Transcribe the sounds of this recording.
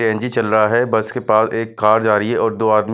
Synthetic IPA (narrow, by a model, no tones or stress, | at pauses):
ẽːnd͡ʒit͡ʃɐlɾɐɦaɦɛbɐskepaːseːkːaːɾd͡ʒaːɾiɦɛʔɔːɾd̪oːaːd̪m